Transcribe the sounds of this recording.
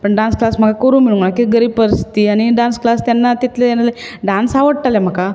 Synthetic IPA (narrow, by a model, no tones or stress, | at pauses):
pəɳɖãnsklasm̤əkakoɾũːmiɭũŋɡəɳakiɡəɾipəɾst̪iañiɖãnsklast̪janːat̪it̪leenaleɖãnsaʋəɽʈ̪alem̤əka